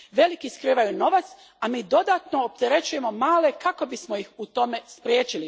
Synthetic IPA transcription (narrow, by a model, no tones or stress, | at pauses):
ʋe̞likiskɾiːʋajuno̞ʋat̪s | amiːd̪o̞d̪aːt̪no̞ːp̚t̪eɾe̞t͡ɕuje̞mo̞maːle̞kako̞bismo̞jixut̪o̞me̞spɾʲjeːt͡ʃili